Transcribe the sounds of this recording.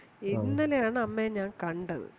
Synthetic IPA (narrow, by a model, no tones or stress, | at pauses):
inːɐlejaːɳɨɐmːeɲaːŋkɐɳɖɐðɨ̰